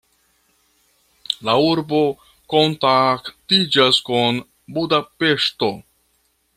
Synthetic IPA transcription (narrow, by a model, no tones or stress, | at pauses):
lauɾbo̞ | ko̞ntaktid͡ʒaskun | budape̞ʃto̞